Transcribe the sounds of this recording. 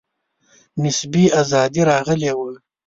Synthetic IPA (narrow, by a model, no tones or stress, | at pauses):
nɪsbiazɑd̪iɾɑɣəlewə